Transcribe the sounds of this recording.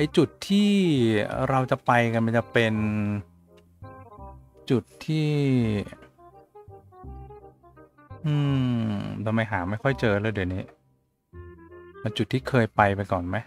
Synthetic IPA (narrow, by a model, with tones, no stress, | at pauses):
ʔa˧jt͡ɕu˨˩t̪ʰːiː˥˩ | ɾa˧wt͡ɕa˨˩pa˧jka˧nma˧nt͡ɕa˨˩pe˧n | t͡ɕu˨˩t̪ʰːiː˥˩ | ʔɯː˧ | t̪ʰa˧mːa˧jɦaː˩˦ma˥˩jkʰɔ˥˩jt͡ɕɤː˧lɤː˧jdiː˨˩˨niː˦˥ | a˧t͡ɕu˨˩t̪ʰːiː˥˩kʰɤː˧jpa˧jpa˧jkɔː˨˩nma˦˥j